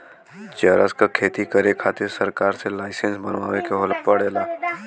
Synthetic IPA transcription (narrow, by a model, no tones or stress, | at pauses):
d͡ʒəːɾa̰skakʰeːt̪ikəɾekʰaːt̪ɪɾsɐɾkaːɾselaːɪsənsbənʋa̰ːʋekeɦolpəɽeːlaː